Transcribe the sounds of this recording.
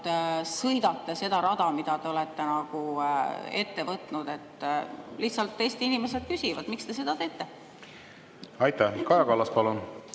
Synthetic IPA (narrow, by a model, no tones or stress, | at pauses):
sɤjd̪̥ɑt̪ːese̞d̪̥ɑɾɑd̪ɑmid̪̥ɑd̪e̞o̞let̪ːe̞nɑɡ̥u | e̞t̪ːe̞vɤt̪ˑnud̪̥e̞t̪ːˑliht̪sɑlt̪ːe̞jst̪inime̞se̞d̪̥̚kysʲivɑd̪̥mikst̪e̞s̬e̞d̪̥ɑt̪e̞ːt̪ːˑe̞ | ɑjt̪ːˑækɑjɑkɑlːɑspɑlun